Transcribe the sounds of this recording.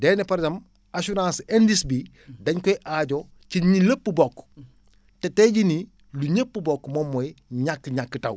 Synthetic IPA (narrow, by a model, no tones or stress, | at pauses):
dɛːnɛpɐɾzɐm | asuɾãːsɛndisbi | dɐɲkɔjiʔaɟo | ciɲiləpːəbɔkː | tɛtɛɟini | luɲəpːubɔkːmɔmːɔjiɲakːɲakːətɐw